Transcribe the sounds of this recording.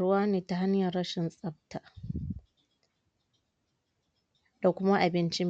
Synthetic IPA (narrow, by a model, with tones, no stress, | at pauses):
ʊ˦waː˦neː˨ta˨ɦa˦ɲjɐ˨ɽɐ˦ʃɪ˨nsʼɐ˦b̚tʰaː˨ | d̥a˨kʷʊ˦ma˦ʔa˨bɪ˦nt͡ʃi˦m